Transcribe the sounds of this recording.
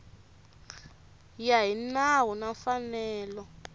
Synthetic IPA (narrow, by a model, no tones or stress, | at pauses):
jaɦinawunafanɛːlɔ